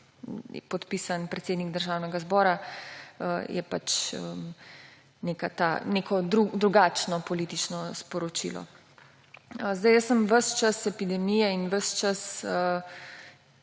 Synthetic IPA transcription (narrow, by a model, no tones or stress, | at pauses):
pɔt̪pisanpɾɛt̪seːd̪niɡd̪əɾʒaːwnɛɡazbɔːɾa | əjɛ̰pat͡ʃə̰ | nekat̪anekɔd̪ɾud̪ɾuɡaːt͡ʃnɔpɔliːt̪it͡ʃnɔspɔɾɔt͡ʃḭlɔ̰ | zd̪ajəssəmʋəʃt͡ʃasɛpid̪ɛmijɛinʋəst͡ʃasə